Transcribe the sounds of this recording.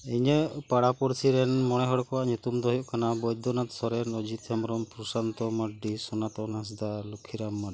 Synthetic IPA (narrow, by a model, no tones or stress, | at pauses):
ɛɲəʔpaɽapɔɾsiɾɛnmɔɽ̃ɛɦɔɽkɔwaʔɲut̪umd̪ɔɦjɔʔkanabɔjd̪ʱɔnat̪̚sɔɾɛnɔd͡ʒit̪amɾɔmpɾusant̪ɔmaɖɖisɔnat̪ɔnas̬d̪alukʰiɾamːa